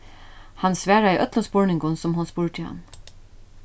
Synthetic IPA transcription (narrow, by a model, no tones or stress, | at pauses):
hɑnsʋæːɹaiʔœt̪lɔspuːɹɳɪŋɡʊnsɔmɦʊnspuːɹʈ̪ʰɪlhɑ̰n